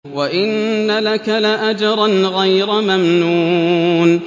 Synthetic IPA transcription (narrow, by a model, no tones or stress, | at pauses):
waʔɪnːalakalaʔad͡ʒɑɾˤanɣajɾamamnuːn